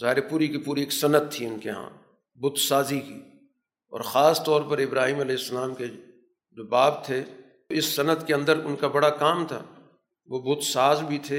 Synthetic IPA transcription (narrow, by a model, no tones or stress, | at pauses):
zaːɦɪɾepuːɾikipuːɾieːksɐnət̪̚t̪ʰːiʊnkeɦã̰ː | bʊt̪saːzikḭː | ɔ̰ːɾxaːst̪ɔːɾpɐɾɪbɾaːɦiːmɐlɛːɪsːɐlaːmke | d͡ʒoːbaːb̚t̪ʰe | ɪsːɐnət̪keɐ̃nd̪əɾʊnkabɐɽakaːmt̪ʰa̰ː | ʋobʊt̪saːzbʱit̪ʰeː